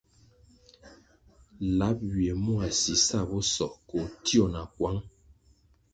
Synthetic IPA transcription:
la˨˦p̚wje˨mɔ˦a˨si˨sa˦˨bɔ˦sɔ˨ʔkɔ˨tjɔ˦˨na˨kwa˦ŋ

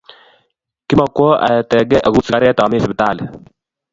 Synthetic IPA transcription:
ki˦ma˨kɔ˦ʔa̰˨t̪ɛ˨ɡɛ˦ʔa˨ɡu˦si˨ka˨˦ɾɛ˦t̪a˨me˦sɪ˨bɪ˨t̪aː˦˨lɪ˨

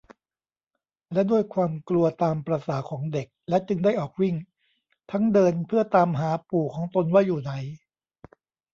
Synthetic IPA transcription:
lɛ˦˥du˥˩əjkʰwaː˧mklu˧ɐt̪aː˧mpɾa˧saː˩˦kʰɔː˩˦ŋde˨˩k̚lɛ˦˥t͡ɕɯ˧ŋda˥˩jʔɔː˨˩k̚wi˥˩ŋ | t̪ʰa˦˥ŋdɤː˧npʰɯ˥˩ɐt̪aː˧mɦaː˩˦puː˨˩kʰɔː˩˦ŋt̪o˧nwaː˥˩juː˨˩na˨˩˦j

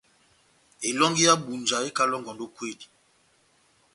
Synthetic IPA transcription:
e˨lɔ˦ŋɡi˦ja˦bu˨nd͡ʒa˨e˦ka˦lɔ˦ŋɡɔ˨ndo˦kwe˦˨di˨

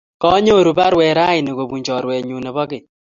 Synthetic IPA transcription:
kɔ˦ɲo˦˨ɾu˨ba˦ɾwɛ˨ɾa˦ɪ˨ne˨ɡo˨bu˨ɲd͡ʒɔ˨ɾwɛ˨ɲu˨nɛ˨bɔ˦ɡɪ˨

